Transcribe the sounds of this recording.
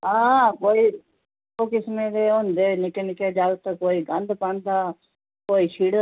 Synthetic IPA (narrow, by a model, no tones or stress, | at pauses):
aːkoːiː | oːkɪsmẽd̪eːõːnd̪eːnɪkenɪked͡ʒaːɡt̪əkoːiːɡə̃nd̪pãnd̪aː | koːiʃʰiːɽ